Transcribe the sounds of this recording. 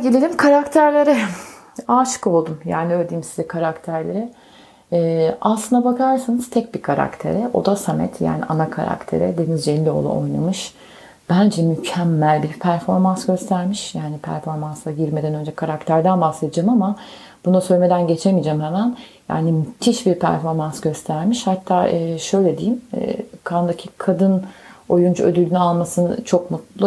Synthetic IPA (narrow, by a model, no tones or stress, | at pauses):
ɟelʲelʲimkʰaɾakt̪ʰæɾlʲeɾɯ | aːʃɯ̥ko̞lˠd̪umja̰ːniølʲd̪eimsizɛkʰaɾakt̪ʰæɾlʲeɾɪː | aslˠɯnd̪abakʰaɾsanɯz̥t̪ʰɛc̚bikʰaɾa̰kt̪ʰe̞̰ɾɛʔo̞̰d̪asamɛ̰t̪ʰja̰ːnḭʔa̰nakʰa̰ɾa̰kt̪ʰḛɾɛd̪e̞nizd͡ʒelʲːio̞̰lˠṵo̞̰jnˠa̰mɯʃ | b̥ænd͡ʒɛmycʰæmːælʲbiɾpʰæɾfo̞ɾmansɟø̞st̪ʰæɾmiʃjaːnipʰæ̰ɾfo̞ɾmanslˠaɟiɾme̞d̪ænø̞nd͡ʒɛkʰaɾakt̪ʰæɾd̪ænbahse̞d̪ɯd͡ʒaːmama | b̥unuasø̞lʲme̞d̪ænɟe̞t͡ʃʰemid͡ʒɛmhɛmænja̰ːnimyt̪ʰiʃbiɾpʰæ̰ɾfo̞ɾmansɟø̞st̪ʰæɾmiʃhat̪ʰːaːʔɯːʃø̞jlʲed̪ijim̰ːkʰand̪acʰikʰad̪ɯno̞jund͡ʒuød̪ylʲynalˠmasɯnt͡ʃʰo̞kmut̪lˠu